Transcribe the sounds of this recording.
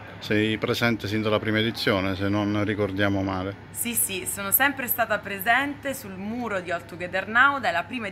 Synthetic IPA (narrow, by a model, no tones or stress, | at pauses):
sɛjpɾezɛnt̪esind̪alapɾiːmaed̪it̪sːjoːnesenːonrikord̪jaːmomaːle | sisisoːnosɛmpɾest̪aːt̪apɾezɛnt̪esulmuːɾod̪iɔlt̪uɡed̪ernawd̪elːapɾiːmae